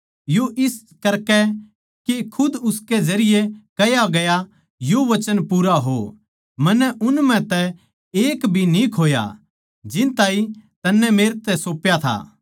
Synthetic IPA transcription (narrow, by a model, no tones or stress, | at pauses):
joʔɪs | kɐɾkɛ | kekʰʊd̪ʊsked͡ʒɐɾɪjekɐjaɡɐja | joʋɐt͡ʃənpuːɾaɦo̰ | mɐnːɛʔʊnmɛ̃t̪ɛ | eːkbʱinikʰoːja̰ | d͡ʒɪnt̪aːĩt̪ɐnːɛmeːɾt̪ɛsoːpjat̪ʰa̰ː